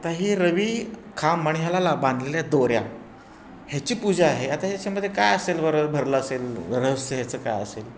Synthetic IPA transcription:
at̪aɦiːɾəʋiːkʰaməɳ̃iɦjalalabãnd̪ʱleljad̪oɾja̰ | hjat͡ɕiːpud͡ʑaaɦeat̪ajat͡ɕaməd̪ʱːjekajəselʋəɾbʱəɾləəselɾəsəɦjat͡səːka̰jə̰sel

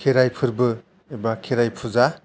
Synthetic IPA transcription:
kʰeɾajpʰɯɾbɯ | ebakʰeɾajpʰuza

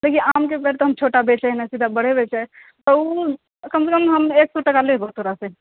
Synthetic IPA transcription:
d̪eːkʰĩaːmkepɛɾt̪oɦəmt͡ʃʰoːʈabeːt͡ʃɛnɛsid̪ʱabəɽ̤ebeːt͡ʃɛ | t̪ɔu | kɐmsekəmɦəmeːksɔʈəkalebot̪ʰoːɾase

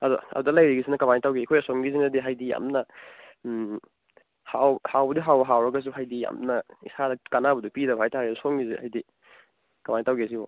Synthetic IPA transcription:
ɐdɔɐ̰dudɐlajɾiɡisinɐkɐmanitawɡikʰojasoŋɡisinɐdiɦajdija̰mnɐ | hawhawbɐdiɦawbɐɦawɾɐɡɐs̬uɦajdija̰mnɐḭsadɐkanabɐdupidɐbɐɦajtʰaɾisusoŋɡiziha̰jdi | kɐmanitawɡes̬ibɔ̰

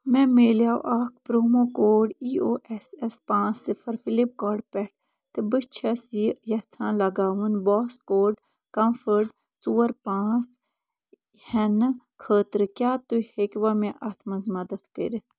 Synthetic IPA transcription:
mɛ̃ːmeːljaːwʔaːk̚ʰpɾoːmoːkoːɖiːoːʔɛsɛspãːt͡sːifʰəɾfʰilip̚kɔːɖpɛʈ̚ʰ | t̪ebət͡ʃʰɐsijɐt͡s̪ʰãːlɐɡaːʋunbɔːskoːɖ | kɐmfʰəɾɖ | t͡suːəɾpãːt͡s | hɛn | kʰəːt̪ɾkjaːt̪uhekʋamɛ̃ʔat̪ʰmɐzmɐd̪ɐt̪ʰkə̰ɾit̪ʰ

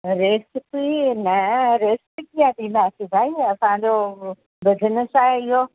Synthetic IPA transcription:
ɾeːsɪpinɐɾeːsɪ̥pikijãd̪imãːsibʱaːiɐsãd͡ʑo | bəd̪ʱɪnəsaɪɦo

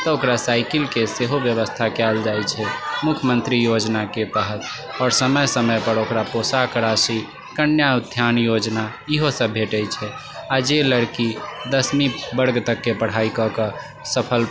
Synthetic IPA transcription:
t̪ɔokɾasaɪkilkeseɦobjəβəst̪ʰakɛld͡ʒajt͡ʃʰɛmukʰjəmənt̪ɾijod͡ʒnaket̪əɦət̪ | ɔːɾsəməjsəməjpəɾokɾaposakəɾasi | kənjaud̪ʱjanjod͡ʒna | iɦosə̃bʱeʈəjt͡ʃʰɛ | ad͡ʒeləɾkid̪əsmibəɾɡt̪əkːepəɽ̤aikɔkə | səpʰəl

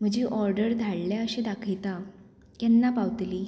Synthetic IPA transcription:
m̤əd͡ʑiːʔɔɾɖəɾd̪ʱaɭljaəɕẽd̪akʰəjt̪a | kɛnːapaʋt̪liː

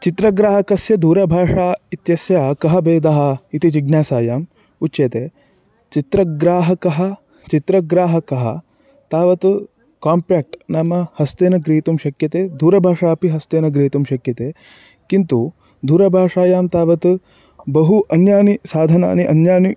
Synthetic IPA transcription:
t͡ʃit̪ɾɐɡɾaːɦɐkɐsjɐd̪ʱuːɾɐbʱaːʂaːit̪jɐsjaːkɐɦɐbeːd̪ɐɦɐ̆it̪it͡ʃiɡnʲjaːsaːjaːm | utːt͡ʃjeːt̪eː | t͡ʃit̪ɾɐɡɾaːɦɐkɐɦɐ | t͡ʃit̪ɾɐɡɾaːɦɐkɐɦɐ̰ | t̪aːʋɐt̪ | kaːmpɾaːk̚ʈnamːɐhɐst̪eːnɐɡɾiɦit̪umʃɐkjɐt̪eːd̪ʱuːɾɐbʱaːʂaːpiɦɐst̪eːnɐɡɾiɦit̪umʃɐkjɐt̪eː | kint̪u | d̪ʱuːɾɐbʱaːʂaːjaːmt̪aːʋɐt̪ | bɐɦuʔɐnjaːnisaːd̪ʱɐna̰ːniʔɐnjaːni

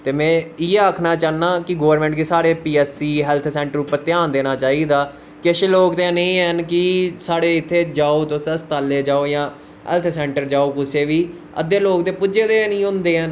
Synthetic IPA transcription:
t̪eːmɛ̃ːɪeaːkʰnaːt͡ʃaːnːaːkɪɡoːəɾmɛ̃ːɳʈɡisaːɽeːpiːɛːsiːɦɛːlt̪ʰsɛ̃ːɳʈəɾʊpət̪ɪjaːnd̪eːnaːt͡ʃaːiːd̪aː | kɪəʃeːloːkd̪ẽnẽĩːɛnkɪsaːɽeːɪt̪ʰːeːd͡ʒaːoːt̪osst̪aːlːeːd͡ʒaːoːjãː | ɦɛ̰ːlt̪ʰsɛ̃ːɳʈəɾd͡ʒaːoːkʊseːʋiː | ə̰d̪eːloːkt̪eːpʊd͡ʒeːd̪eːnĩːɦʊ̃nd̪eːɦɛn

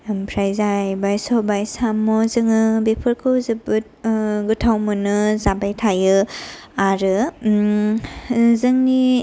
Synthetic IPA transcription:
mpʰɾajzajbajsɔbajsamɔzɯŋɯbepʰɯɾkʰɯwzɯbɯ | ɡɯtʰawmɯnɯzabajtʰajɯ | aɾɯ | zɯŋni

